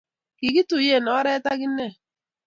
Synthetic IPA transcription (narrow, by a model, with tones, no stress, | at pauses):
ki˨ɡi˦tʊ˨je˦˨nɔ˨˦ɾe˦ta˦ɡɪ˦ne˦˨